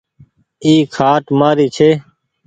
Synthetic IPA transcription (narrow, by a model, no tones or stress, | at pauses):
iːkʰaːʈmaːɾiːt͡ʃʰeː